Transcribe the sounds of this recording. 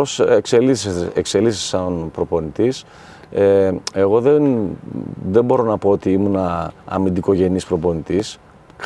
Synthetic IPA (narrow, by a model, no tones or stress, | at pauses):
osekseliseekse̞liθse̥sɐnpɾo̞po̞nit̪is | ee̞ɣoðen | ðe̞mbo̞ɾo̞nɐpo̞ot̪iimunɐɐ̰mind̪iko̞ʝe̞nispɾo̞po̞nit̪is